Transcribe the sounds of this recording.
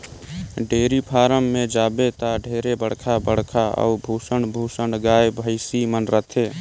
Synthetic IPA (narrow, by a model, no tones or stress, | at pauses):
ɖeːɾipʰaːɾəmːẽd͡ʒaːbet̪aɖʱeːɾebəɽ̤kʰabəɽ̤kʰaə̰ubʱuːsəɳbʱusəɳɡaːjebʱəɪsimənɾət̪ʰe